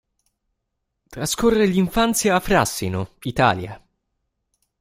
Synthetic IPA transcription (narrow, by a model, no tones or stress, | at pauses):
t̪ɾaskorːeliɱfant̪sjaːfɾasːinʊit̪a̰ːlja̰